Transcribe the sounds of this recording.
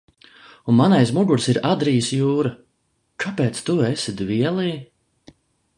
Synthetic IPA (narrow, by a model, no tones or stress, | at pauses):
unmanajsmuɡuɾsiɾad̪ɾijsjuːɾa | kʰapeːt̪st̪uesid̪vʲiɛlˠiː